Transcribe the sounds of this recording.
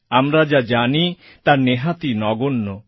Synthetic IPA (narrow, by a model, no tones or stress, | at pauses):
amɾad͡ʒad͡ʒani | t̪aneɦat̪inɔɡunːɔ